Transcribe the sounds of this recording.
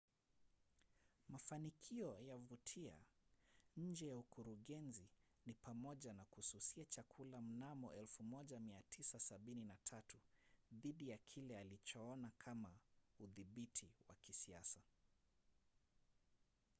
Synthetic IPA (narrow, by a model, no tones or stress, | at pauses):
mafanikʰiɔjavutʰia̰ | ɲ̩d͡ʒɛjaukuɾuɠɛnzi | nipamɔʄanakususiat͡ʃakʰulam̩namɔʔɛlfumɔʄamiatʰisasaɓininatʰatuðiɗijakʰilɛalit͡ʃɔɔnakʰamauðiɓitʰiwa̰kisia̰sa